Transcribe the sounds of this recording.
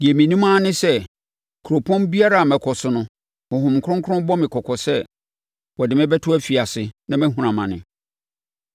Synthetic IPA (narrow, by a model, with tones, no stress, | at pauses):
di˨e˨mĩ˨nĩ˦mã˦nɪ̃˦sɛ˦ | kʰu˨ɾo˨pʰɔ̃˦nbi˦a˦ɾa˨a˨mɛ̃˨kʰɔ˨sʊ˨nʊ̃˦ | hʊ̃˨ɦʊ̃˨mkʰʊ̃˦ŋ˦kʰʊ˦ʊ̃˦bɔ˦mɪ̃˨kʰɔ˨kʰɔ˨sɛ˦ | wɔ˨dɪ˨mɪ̃˦bɛ˦tʰʊ˦æ˦fi˨a˨sɪ˨nã˦mɛ̃˦ɦũ˦ɾã˨mã˨nɪ̃˨